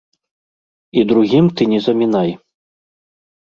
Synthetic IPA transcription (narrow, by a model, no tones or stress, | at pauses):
id̪ɾuɣʲimt̪ɨnʲɛzɐmʲinaj